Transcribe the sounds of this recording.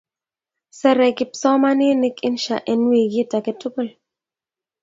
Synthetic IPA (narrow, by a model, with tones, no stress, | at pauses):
sɛ˨ɾɛ˨kɪ˨p̚sɔ˦ma˦nɪ˦nɪ˦kɪ˦nʃa̰˨ʔe˨nwi˨ɡi˦ta˨kɪ˦tu˦ko˦˨l